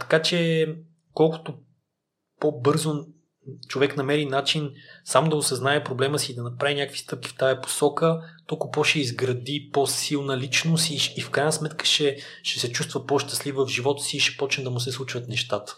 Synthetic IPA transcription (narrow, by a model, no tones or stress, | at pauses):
t̪ɐ̥kat͡ʃɛ | kɔlˠkʊ̥t̪o | pobɤɾzo | t͡ʃovɛknɐmɛɾinat͡ʃinsamod̪ɐʊsɐznaɛpɾoblɛməsiːd̪ɐnɐpɾavinʲakəkvi̥st̪ɤp̚kʲi̥ft̪ajɐpo̥sɔkət̪ɔlˠkʊpɔʃɛizɡɾɐd̪iposilˠnɐlit͡ʃnosiʃːfkɾajnəsmɛt̪kə̥ʃɛʃɛsɛt͡ʃust̪vəpɔʃt̪ɐ̥slivvəvʒivɔt̪ə̥siːʃɛ̥pɔt͡ʃnɛd̪ɐmʊsɛslˠut͡ʃvət̪nɛʃt̪at̪ə̥